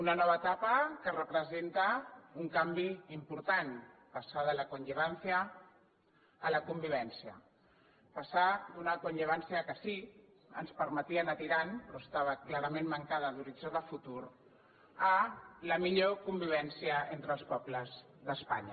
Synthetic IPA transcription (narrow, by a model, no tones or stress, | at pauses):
unənɔβ̞əːt̪apəkərəpɾəzent̪əuŋkambiimpuɾt̪anpasaðələkunʎəβansiə | ləkumbiβ̞ɛnsiə̰ | pasad̪unəkunʎəβ̞ansiəkəsi | ə̰nspəɾmət̪iənət̪iɾanpɾɔəst̪aβ̞əklaɾəmenmːəŋkað̞əðuɾid͡ʒaðəfut̪uɾ | ələmiʎokumbiβ̞ɛnsiəent̪ɾəlˠspɔbləz | ðəspa̰ɲə̰